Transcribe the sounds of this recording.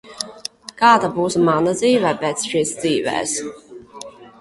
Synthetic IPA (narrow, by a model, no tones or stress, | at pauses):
kaːd̪abuːsmanad̪ziːvɛːpʲɛːt̪sʃiːsd̪ziːvɛ̰ːs